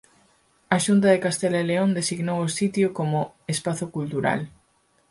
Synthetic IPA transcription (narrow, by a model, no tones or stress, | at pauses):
aʃunt̪ɐðekast̪elaeleond̪esiɣnowosit̪jokomʊ | espaθokult̪uɾa̰l